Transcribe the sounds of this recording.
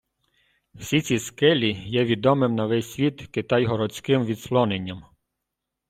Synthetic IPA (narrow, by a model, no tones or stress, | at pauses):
w̥sʲit͡sʲiskɛlʲijɛʋʲid̪ɔmɪmnɐʋɛsʲsʲʋʲit̪kɪt̪ɑjɦɔɾɔt͡sʲkɪmʋʲid̪slˠɔnenʲːɐm